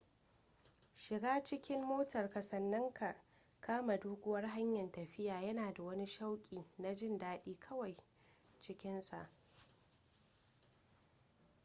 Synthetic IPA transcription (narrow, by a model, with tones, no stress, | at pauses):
ʃɪ˨ɡaː˦t͡ʃɪ˦kʲɪ˦mːoː˦tɐ˨rkɐ˨sɐ˨nːɐ˦ŋkʰa˨ʔ | kʰaː˦ma˨duː˦ɡʷʊ˦wɐ˦rɦa˦ɲjɐ˨ntɐ˨ɸɪ˦jaː˨jɐ˦naː˨da˨wɐ˦ni˦ʃa˦wkʲʼiː˨na˨d͡ʒɪ˦˨ndaː˦ɗiː˦kʰɐ˦wa˨j | t͡ʃɪ˦kʲɪ˦nsa˨ʔ